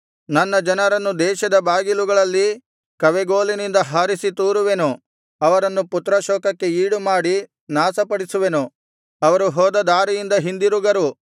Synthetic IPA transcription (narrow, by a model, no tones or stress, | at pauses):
nɐnːɐd͡ʒɐnɐɾɐnːud̪ɛːʃɐd̪ɐbaːɡiluɡɐɭɐlːi | kɐʋeɡoːlinind̪ɐɦaːɾisit̪uːɾuʋe̞nu | ɐʋɐɾɐnːuput̪ɾɐʃɔːkɐkːe̞iːɽumaːɽi | naːsɐpɐɽisuʋe̞nu | ɐʋɐɾuɦɔːd̪ɐd̪aːɾijind̪ɐɦind̪iɾuɡɐɾu